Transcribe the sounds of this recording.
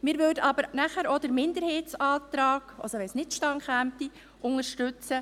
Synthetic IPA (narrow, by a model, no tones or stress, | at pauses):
mɪːɾʋødəɑbəɾnæχæɾod̥əɾmɪndəɾheːtt͡sɑːt̪ɾɑːɡ̥ɑ̰lsɔʋɛnsnɪtʃtɑŋχæmti | ʔʊŋəɾʃtʉt͡sə